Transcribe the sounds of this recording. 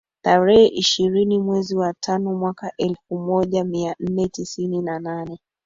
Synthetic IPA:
taɾɛhɛʔiʃiɾinimwɛziwatʰanɔmwakaʔɛlfumɔʄamian̩nɛtisininananɛ

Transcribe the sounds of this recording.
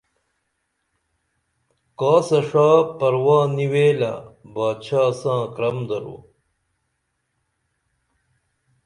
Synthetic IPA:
kaːsɐʂaːpɐɾwaːniweːla̰baːt͡ɕʰaːsãːkɾɐmd̪ɐɾṵ

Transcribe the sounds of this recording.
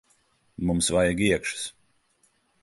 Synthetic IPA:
mumsvajaɡiɛkʃɨ̥s

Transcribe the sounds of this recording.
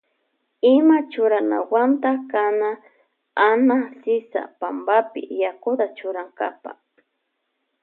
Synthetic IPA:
ɪmat͡ʃʊɾana̰want̪akana | anasɪsa̰pambapɪ̰jakʊt̪at͡ʃʊɾaŋkapa̰

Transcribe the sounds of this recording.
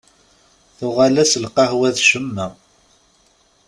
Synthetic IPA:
θʊʁalæsəlqɑhwæðʃəmːæ

